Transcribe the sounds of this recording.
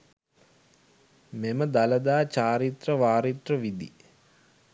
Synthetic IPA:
meməd̪alɐd̪aːt͡ʃaːɾit̪rəʋaːɾit̪rəʋid̪ḭ

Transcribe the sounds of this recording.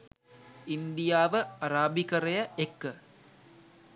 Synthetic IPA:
ind̪ijaːʋəaɾaːbikəɾejəekːə

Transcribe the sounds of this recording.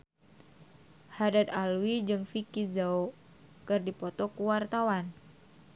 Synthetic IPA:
hadad̪alwid͡ʒɨŋfikizao | kɨrdipɔt̪ɔkuwart̪awan

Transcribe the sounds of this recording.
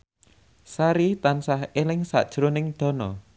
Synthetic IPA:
saɾit̪ansahelɪŋsa̰ʔd̥ʒ̥ɾonɪŋd̪̥ɔ̤nɔ

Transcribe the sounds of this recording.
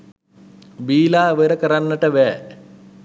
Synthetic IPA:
ʋiːlaːʋeɾəkəɾanːəʈəʋɛː

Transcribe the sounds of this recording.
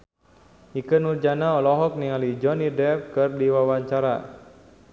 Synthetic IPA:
ʔikənurd͡ʒanaɔlɔɦɔk̚niŋalid͡ʒɔnidɛp̚kɨrdiwawaɲt͡ʃaɾa̰

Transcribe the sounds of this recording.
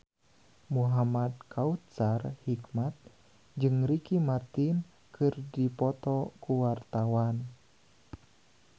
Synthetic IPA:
muɦamad̪̚kʰaut̪̚sarhikmat̪̚ | d͡ʒɨŋrikimart̪in | kʰɨrdipɔt̪ɔkuwart̪awan

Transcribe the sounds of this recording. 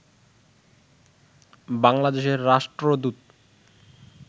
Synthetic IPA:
baŋlad̪eʃeɾːaʃʈɾod̪ut̪̚

